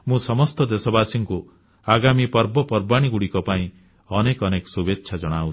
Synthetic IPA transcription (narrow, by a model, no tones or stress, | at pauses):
mũsɔmɔst̪ɔd̪esɔbasiŋku | aɡamipɔɾbɔpɔɾbaɽ̃iɡuɽikɔpaĩ | ɔnekɔnekɔsubetːʃʰad͡ʒɔɽ̃awt͡ʃʰi̥